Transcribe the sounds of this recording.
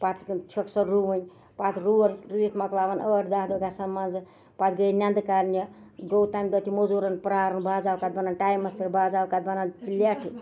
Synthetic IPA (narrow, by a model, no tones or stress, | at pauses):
pat̪t͡ʃʰəksɐɾuʋənʲ | pat̪ʰɾuʋənɾiit̪mɐklaʋɐnəʈd̪aɦd̪oɡasɐmːanzɨ | pat̪ɡəjnʲand̪kaɾnjɐɡ̪owt̪aːjmɡət̪ʰimozuɾɐnpɾaːɾɐnbaːd͡zaːkat̪̚bɐnanʈajmɐspʰeɾbazawkat̪̚bɐnant̪ilaʈʰi